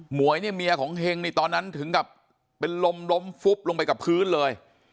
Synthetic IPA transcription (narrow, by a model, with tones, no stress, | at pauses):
mu˨˩˦əjni˥˩mi˧ɐkʰɔː˩˦ŋɦe˧ŋniː˧˩t̪ɔː˧nːa˦˥nt̪ʰɯ˩˦ŋka˨˩p̚ː | e˧nlo˧mlo˦˥mfu˦˥p̚lo˧ŋp̬a˧jka˨˩pʰɯː˦˥nlɤː˧j